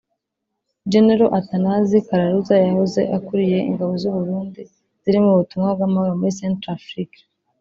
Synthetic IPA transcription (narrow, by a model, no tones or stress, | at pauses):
d͡ʒeneɾo̞ʔatanazikaɾaɾuzajahoze̞̰ʔakuɾije̞ʔḭŋɡaβo̞zuβuɾuːndi | z̥iɾimuβutumŋab̚ɡamahoɾomuɾisentɾafɾik